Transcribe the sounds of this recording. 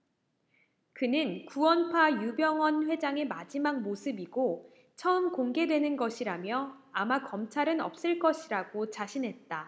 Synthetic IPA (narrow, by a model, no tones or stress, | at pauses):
kɯnɯnkuwʌnpʰajubjʌŋwʌnɸwe̞d͡ʑaŋe̞mad͡ʑimak̚mosʰɯbiɡo | t͡ɕʰʌɯmkoŋɡe̞dwe̞nɯnɡʌɕʰiɾamjʌamakʌmt͡ɕʰaɾɯnʌ̰p̚s͈ɯɭk͈ʌɕʰiɾaɡot͡ɕaɕʰinɦe̞t̚t͈a